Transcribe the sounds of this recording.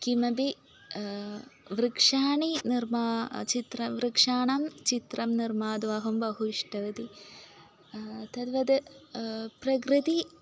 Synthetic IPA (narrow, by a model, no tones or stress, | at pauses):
kimɐbi | ʋrɨkʂaːɳinirmaːt͡ɕit̪rɐʋrɨkʂaːɳɐmt͡ɕit̪rɐmnirmaːd̪ʋaːɦumbɐɦuʂʈɐʋɐd̪i | t̪ɐd̪ʋɐd̪ɨ | prɐɡrɨd̪i